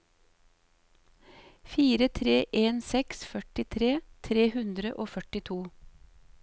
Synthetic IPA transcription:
fiːɾət̪ʰɾeːʔeːnsɛksfœʈɪt̪ʰɾeːt̪ʰɾeːhʉnd̪ɾəʔoːfœʈɪt̪ʰuː

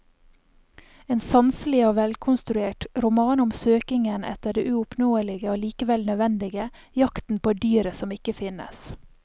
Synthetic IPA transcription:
eːnsɑnsəlɪoːʋɛlkʰʊnst̪ɾʉeːʈɾʊmɑːnɔmsøːkɪŋənʔɛ̰t̪əɖeːʔʉːʊpnoːəlɪɡəoːliːkəʋɛlnœʋɛnd̪ɪɡə | jɑkt̪n̩pʰoːd̪yːɾəsɔmɪkəfɪnə̰s

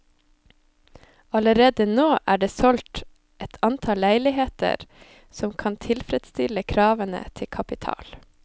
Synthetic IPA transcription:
ɑləɾeːd̪ənoːʔæːɖeːsɔlt̪ | ʔɛt̪ʰɑnt̪ʰɑlːæɪlɪheːt̪ə̰ɾ | sɔmkʰɑnt̪ʰɪlfɾɛd̪st̪ɪləkʰɾɑːʋənə̰t̪ʰɪkʰɑpɪt̪ʰɑ̰ːl

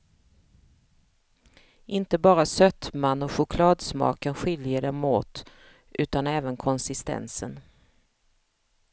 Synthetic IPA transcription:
ʔɪnt̪əbɑːɾasœt̪manːɔɧʊkʰlɑːd̪smɑ̰ːkənɧɪljəɖɛmoːt̪ | ʔʉ̟ːt̪anɛːvənkʰɔnsɪst̪ɛ̰nsə̰n

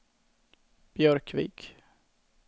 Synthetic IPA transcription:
b̥jœɾkvḭːk

